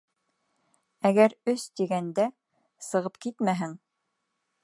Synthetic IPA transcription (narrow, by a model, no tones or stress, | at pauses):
æɡæɾɵst̪iɡænd̪æ | sɤ̆ʁɤpkit̪mæɦɘŋ